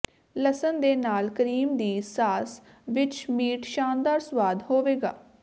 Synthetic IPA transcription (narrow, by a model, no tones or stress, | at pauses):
ləsənd̪eːnaːlkəɾiːmd̪iːsaːs | ʋɪt͡ʃmiːʈʃaːnd̪aːɾswaːd̪hoːʋeːɡaː